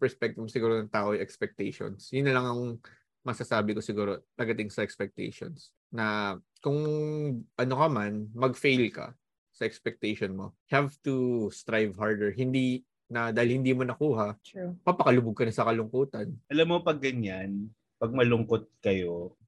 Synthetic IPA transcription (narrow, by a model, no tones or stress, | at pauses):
pɛɹspɛk̚t̪ɪmsɪɡuːɾonɐŋt̪aːʔojʔɛkspɛk̚t̪ɛjʃo̰nsjʊnːɐlɐŋɐŋ | mɐsasaːbɪkosɪɡuːɾo̞lɐɡɐt̪ɪŋsɐʔɛkspɛk̚t̪ɛ̰jʃo̰ns | nɐ | kʊŋ | ʔɐno̞kɐmanmɐɡfejlkɐ̰ | sɐʔɛkspɛk̚t̪ɛjʃonmo̞̰ | hɛvt̪ust̪ɾajvhaɹd̪ɛɹɦɪnd̪i | nɐd̪aːhɪlhɪnd̪iːmonɐkuːɦɐpɐpɐkɐlʊbʊɡ̚kɐnɐsɐkɐlʊŋkuːt̪ɐnʔɐlamːopɐɡːɐɲan | pɐɡ̚mɐlʊŋkot̪̚kɐjo